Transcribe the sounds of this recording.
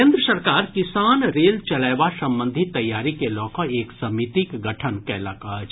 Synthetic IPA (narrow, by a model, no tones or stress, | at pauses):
eːnd̪ɾəsəɾkaːɾkɪsaːnɾeːlt͡ʃɐlajʋasə̃mbə̃nd̪ʱit̪ːɐjːaːɾikelɔːkɔ̃eːksɐmit̪ikɡəʈʰənkɛlɐkat͡ʃ